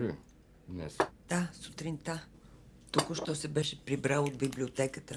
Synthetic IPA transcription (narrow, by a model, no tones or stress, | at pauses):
ɾɛ̰ | d̪nɛ̰sd̪̥asut̪ɾint̪a | t̪ukʊʃt̪ɔsɛbɛʃɛpɾibɾalˠod̪̚biblʲiot̪ɛkət̪ə